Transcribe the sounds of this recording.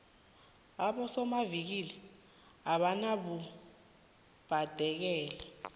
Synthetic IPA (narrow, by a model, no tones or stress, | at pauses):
aɓɔsɔmavik̬ilɛ | aɓanaɓu | b̥ʱad̥ʱɛk̬ɛːlɛ